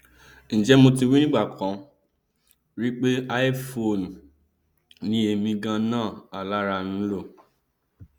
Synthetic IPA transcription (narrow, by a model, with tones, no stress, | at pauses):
ñ̩˨d͡ʒɛ˦mo˧ti˧wi˦nĩ˦ɡ͡ba˦˨kʰɔ̃˨ | ɾi˦k͡pe˦a˦i˦fo˨n˨ | nĩ˦e˧mĩ˧ɡã˧nãː˦˨a˨la˦ɾa˧nũ˦lo˦˨